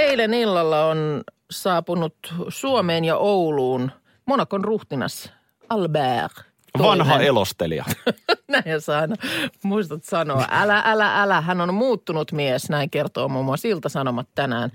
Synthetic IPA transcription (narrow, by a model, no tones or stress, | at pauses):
eilenilːɑlːɑon | sɑːpunut̪suomeːnjɑʔouluːn | monɑkonruht̪inɑ̰s | ɑlbæːr | tʋɑnɦɑelost̪ḛliɑ̰næiesɑinɑmuist̪ɑt̪sɑnoɑ̰ʔælæʔælæʔælæɦænonmuːt̪ːunut̪miesnæiŋkert̪oːmumːuɑsilt̪æsɑnomɑt̪tænæ̰ːn